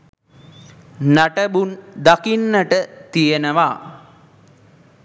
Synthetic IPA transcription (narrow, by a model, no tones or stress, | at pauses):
naʈəbund̪akinːəʈət̪ijənəʋa